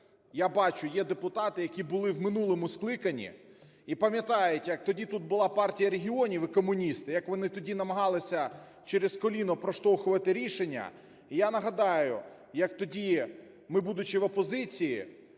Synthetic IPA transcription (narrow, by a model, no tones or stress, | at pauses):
jabɑt͡ʃʊjɛd̪epʊt̪ɑt̪ɪjɐkʲibʊlˠɪwmɪnulˠɔmʊsklˠɪkɐnʲḭ | ipɐmʲjɐt̪ɑjʊtʲjɐk̚t̪ɔdʲit̪ut̪̚bʊlˠɑpɑrtʲijɐɾeɦʲiɔnʲiʋɪkɔmʊnʲist̪ɪjɐkʋɔnɪt̪ɔdʲinɐmɐɦɑlˠɪsʲɐ | t͡ʃɛɾeskɔlʲinʊpɾɔʃt̪ɔwxʊʋɐt̪ɪɾʲiʃenʲːɐ̰ | ijanɐɦɐd̪ɑjʊ | jɐkt̪ɔdʲi | mɪbud̪ʊt͡ʃɪʋɔpɔzɪt͡sʲiji